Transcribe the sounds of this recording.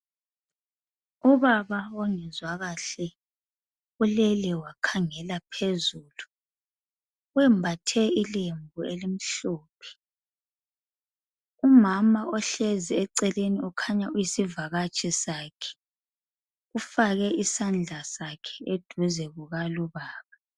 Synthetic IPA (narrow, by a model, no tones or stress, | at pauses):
uβaβaɔŋɛzwaɣaɬɛ | ulɛlɛwakʰaŋɛlapʰezuːlu | wɛmbʱatʰɛilembʱuelim̩ɬoːpʰɛ̥ | umamaʔɔɬɛziɛǀɛleniɔkʰaɲauisivaɣat͡ʃʼɛsaːkʰɛ̥ | ufaɣɛisand͡ɮʱasakʰɛ̥ed̥ʱuzɛɣuɣaluβaːβa